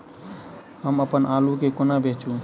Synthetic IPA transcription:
ɦəməpənaːlukekonabet͡ʃũ

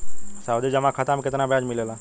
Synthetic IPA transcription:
saːwd̪id͡ʒəmãkʰat̪ãmkɪt̪nabjaːd͡ʒmɪlelãː

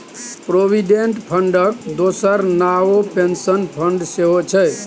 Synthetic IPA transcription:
pɾobʱiɖeɳʈpʰəɳɖək̚d̪osəɾnaopensənpʰəɳɖseɦot͡ʃʰɛ

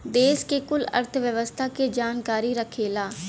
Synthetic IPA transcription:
d̪eːskekʊlə̰ɾt̪ʰʋjəʋəst̪ʰaːked͡ʒaːnkaːɾiːɾəkʰeːlaː

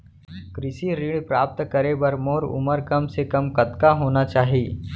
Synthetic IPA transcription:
kɾɪʃiɾiːɽpɾaːp̚t̪kəɾebɐɾmoːɾʊ̰məɾkɐmsekɐmkɐt̪kaɦoːnat͡ʃaːɦiː

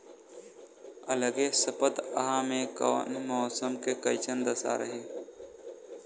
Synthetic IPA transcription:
ələɡesəpət̪əɦaːmẽkə̰nmɔːsəmkekəɪt͡ʃənd̪əsa̰ːɾəɦeː

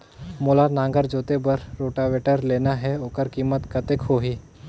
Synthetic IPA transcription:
moːlanãːŋɡəɾd͡ʒoːt̪ebɐɾɾoːʈaʋeːʈəɾleːnaɦɛokəɾkiːmət̪kɐt̪ekɦoːɦiː

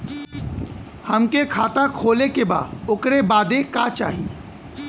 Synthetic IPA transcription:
həmkekʰaːt̪akʰoːlekeba̰ːd̪ʊkɾebaːd̪ekaːt͡ʃa̰ːɦi

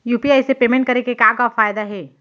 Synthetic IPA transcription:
juːpiaɪsepeːmẽɳʈ̚kɐɾekekaːkafaːjd̪aɦɛː

